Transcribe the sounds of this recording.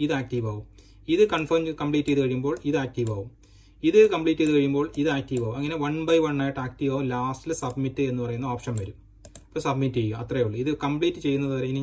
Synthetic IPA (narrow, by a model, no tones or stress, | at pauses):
iðɨaːk̚ʈiʋaːʋum | iðɨkɐɳfɐrmd͡ʑkɐmpɭiːtːeðɨkɐɻijumbo̞ːɭiðɨaːk̚tiʋaːʋum | iðɨkɐmpɭiːtːeðɨkɐɻijumbo̞ːɭiðɨaːk̚ʈiːʋaːumɐŋːɐne̞ʋɐɳbɐjʋɐɳːaːjiʈːaːk̚ʈiʋaːʋumlaːstilɨsɐbmitːɨe̞nːɨpɐrɐjunːɐoːpʂɐnʋɐɾum | pːoːsɐbmitːeumɐt̪rɐjejuɭːɨiðɨkɐmpɭiːtːɨt͡ɕe̞jːunːɐðɨpɐɾeŋːɐn